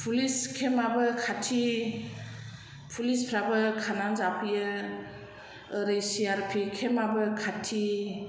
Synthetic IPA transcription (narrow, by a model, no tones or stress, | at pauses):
pʰuliskʰemabɯkʰatʰi | pʰulispʰɾabɯkʰananzapʰijɯ | ɾejsiaɾpʰikʰemabɯkʰatʰi